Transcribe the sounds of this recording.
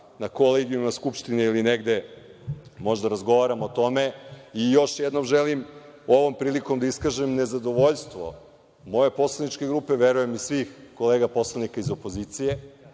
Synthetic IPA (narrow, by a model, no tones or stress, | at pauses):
nako̞leɡiumaskupʃt̪ineilineɡd̪e̞ | mo̞ʒd̪aɾazɡo̞ʋaɾamoːt̪o̞me̞ijo̞ʃjed̪no̞mʒelimo̞ʋo̞mpɾiːliko̞md̪aiskaʒemne̞zad̪o̞ʋo̞ʎst̪ʋo̞̰ | mo̞je̞po̞slˠanit͡ʃke̞ɡɾuːpe̞ʋeɾuje̞misʋixko̞leːɡapo̞slˠanikaizo̞poziːt̪sije̞